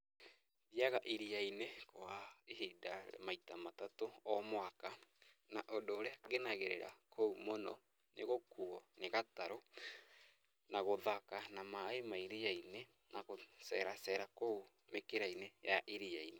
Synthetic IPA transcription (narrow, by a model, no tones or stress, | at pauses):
jaɣaʔiɾiainekoaehidamaitamatatoɔmwakanaʔodoːɾeaɡenaɣeɾeɾa̰kʰoumonɔ̰ | neɣokuɔneɣataɾo | naɣoðakanamaemaiɾiaine | naɣosɛɾasɛɾakou | mekeɾainejaʔiɾiaine